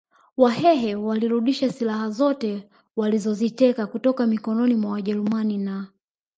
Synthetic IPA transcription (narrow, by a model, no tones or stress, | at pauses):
wahɛɦɛwaliɾuɗiʃasilahazɔtɛ | walizɔzitɛkakutɔkamikɔnɔnimwawaʄɛɾumanina